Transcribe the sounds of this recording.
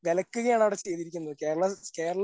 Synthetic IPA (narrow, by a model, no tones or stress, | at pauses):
ʋelɐkːuɣɐjaːɳɐʋiɽesʈeːðiɾikʲːunːɐðɨke̞ːɾɐɭɐkeːɾɐɭ